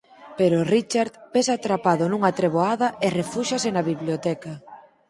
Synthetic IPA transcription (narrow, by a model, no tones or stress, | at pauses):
peɾorit͡ʃaɾðbesat̪ɾapaðonuŋɐt̪ɾeβ̞oaðɐerefuʃasenɐβiβljot̪ɛkɐa